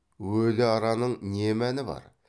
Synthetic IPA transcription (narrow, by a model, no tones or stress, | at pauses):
wɵlɪɑɾɑnəɴnemænɪbɑ̰ɾ